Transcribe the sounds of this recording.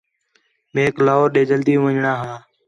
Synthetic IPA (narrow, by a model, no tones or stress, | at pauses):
mẽːklaːoːɾɗeːd͡ʒəld̪ĩːʋəɲɳaːɦãː